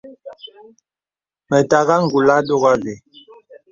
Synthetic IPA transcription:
mɛ˨ta˨ɣa˦ŋ̩˨ɡu˨la˦do˦ɣa˦ɣe˨

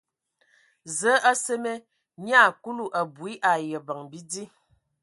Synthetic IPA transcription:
zə˨˦a˦se˦me˦ | ɲ˦a˦˨ku˦lu˦ʔa˨bu˨i˦ʔa˨jə˨ba˨ŋbi˦di˦

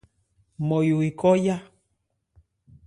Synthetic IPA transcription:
mo˨ju˨i˨kɔ˦ja˦

